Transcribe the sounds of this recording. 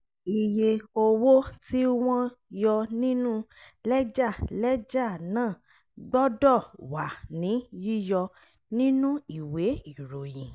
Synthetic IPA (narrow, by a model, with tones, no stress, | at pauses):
i˨je˧o˧wo˦ti˦w̃ɔ̃˧jɔ˧nĩ˦nũ˦lɛ˦d͡ʒa˦˨lɛ˦d͡ʒa˦˨nãː˦˨ | ɡ͡bɔ˦dɔ˦˨wa˨nĩ˨˦ji˦jɔ˧ | nĩ˦nũ˦i˨we˨˦i˦˨ɾo˨jĩ˨